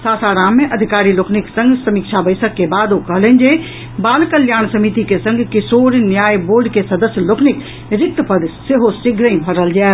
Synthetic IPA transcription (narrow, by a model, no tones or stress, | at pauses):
saːsaːɾaːmːẽʔəd̪ʱikaːɾiloːkʰnɪksə̃ŋɡʱsəmikt͡ʃʰabəɪsəkːebaːd̪okəɦlənd͡ʒe | baːlkəljaːñsəmit̪ikesə̃ŋɡʱkɪsoːɾnjaːjboːɾɖkesɐd̪əsjəlokʰnɪk | ɾɪk̚t̪əpəd̪seɦosɪɡʱɾə̃ĩbʱəɾəld͡ʒae